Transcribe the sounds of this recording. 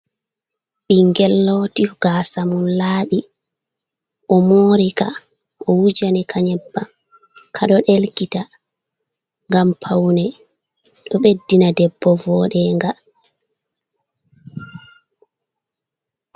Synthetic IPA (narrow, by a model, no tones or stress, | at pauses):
ɓiŋɡɛlːɔtiɡ̥asamunlaːɓi | ʔɔmoːɾika | ʔɔwud͡ʒanɛkʰaɲɛbːa | kʰaɗɔɗelkita | ŋɡampʰawnɛ | ɗɔɓedːinadɛbːɔvɔːɗɛŋɡa